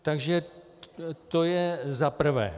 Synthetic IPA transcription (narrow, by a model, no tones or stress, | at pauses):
t̪aɡʒɛ | t̪ojɛzapr̩vɛ̰ː